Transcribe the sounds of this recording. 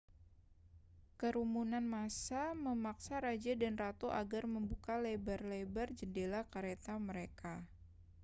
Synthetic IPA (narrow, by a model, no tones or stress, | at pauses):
kəɾumunanmasaməmaksaɾad͡ʒadanrat̪oʔaɡarməmbukalebarlebard͡ʒədelakaɾet̪aməɾeka